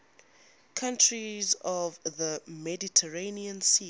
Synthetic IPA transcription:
kʰãntʰɹizɔvðəmɛditʰəɹeniə̃nsi

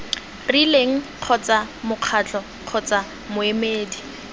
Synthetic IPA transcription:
rileŋ̩q͡χʰɔt͡samʊq͡χʰat͡ɬʼɔ | q͡χʰɔt͡sa | mʊemeːdi

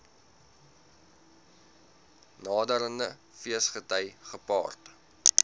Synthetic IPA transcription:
nɑːdəɾəndə | fiəsχətəjχəpɑ̰ːrt

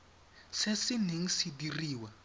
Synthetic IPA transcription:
sesiniŋ̩sidiriːwa

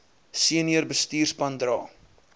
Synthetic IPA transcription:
siəniərbəstiːrspɐndrɑː

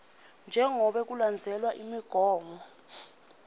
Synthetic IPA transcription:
nd͡ʒʱɛŋɔɓɛk̬uland͡zʱɛlwaʔimiɡ̥ʱɔːŋɔ

